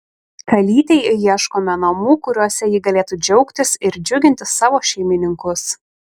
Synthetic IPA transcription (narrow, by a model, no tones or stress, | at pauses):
kɐlʲiːt̪ʲeɪjiɛʃkoːmʲɛnɐmuːkʊɾʲuɔsʲɛjɪɡɐlʲeːt̪uːd͡ʒʲɛʊkt̪ʲɪsɪɾd͡ʒʲʊɡʲɪnʲt̪ʲɪsːɑːʋoːʃʲɛɪmʲɪnʲɪŋkʊs